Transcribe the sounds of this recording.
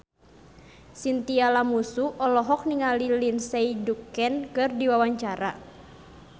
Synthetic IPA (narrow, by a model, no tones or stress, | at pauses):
sint̪ialamusuʔɔlɔɦɔk̚niŋalilinsɛjdukɛnkɨrdiwawaɲt͡ʃaɾa